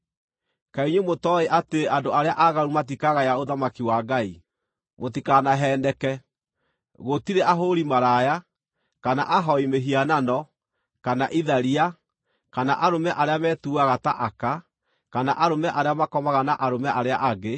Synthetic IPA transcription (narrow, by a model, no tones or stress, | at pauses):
kaiɲumotɔeʔateeandoaɾeaʔaɣaɾumatikaɣajaoðamakiwaɡai | motikanaɦɛːndɛkɛ | ɣotiɾeʔaɦoɾimaɾaja | kanaʔaɦɔimeɦiananɔ | kanaʔiðaɾia | kanaʔaɾomɛʔaɾeamɛːtuaɣataʔaka | kanaʔaɾomɛʔaɾeamakɔmaɣanaʔaɾomɛʔaɾeaʔaɡe